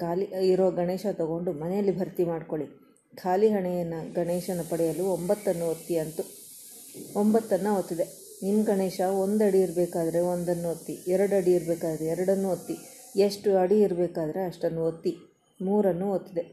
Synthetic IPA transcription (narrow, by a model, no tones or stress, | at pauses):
kʰaːliiɾoʋɐɡɐɳeːʃɐt̪ɐɡo̞ɳɖumɐnɛjɐlːibʱɐɾt̪imaːɖko̞ɭi | kʰaːliɦɐɳɛjɐnːɐɡɐɳeːʂɐnːɐpɐɽɛjɐluːombɐt̪ːɐnːuot̪ːiɐnt̪u | ombɐt̪ːɐnːɐot̪ːid̪e̞ | inːɡɐɳeːʂɐond̪ɐɽiːɾɐbeːkaːd̪ɐɾe̞ond̪ɐnːuot̪ːiɛɾɐɽɐɽiːɾɐbeːkaːd̪ɐɾeɛɾɐɽɐnːuot̪ːi | eʂʈuɐɽiiɾɐbeːkaːd̪ɐɾe̞ɐʂʈɐnːuot̪ːi | muːɾɐnːuot̪ːid̪e̞